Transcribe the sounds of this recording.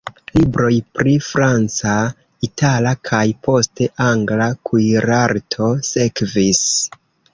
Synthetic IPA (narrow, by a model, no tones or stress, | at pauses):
libɾo̞jpɾifɾant͡sa | itʰalakʰajpʰo̞ste̞ʔaŋɡlakujɾaɾtʰo̞sekvis